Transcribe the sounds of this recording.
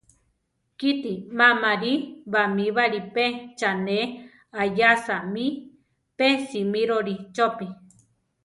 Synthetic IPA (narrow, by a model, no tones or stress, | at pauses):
kit̪imamaɾiβamiβaɾipet͡ʃane | ajasami | pesimiɾoɾit͡ʃopi